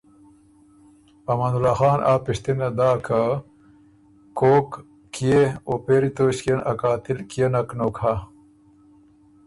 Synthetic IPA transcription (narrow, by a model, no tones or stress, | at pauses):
ɐmanulaːxaːnʔaːpiɕt̪inɐd̪aːkʰa | koːk | kijeopeːɾit̪oːɕkenʔɐ̰kaːt̪ilkijenɐknoːkʰa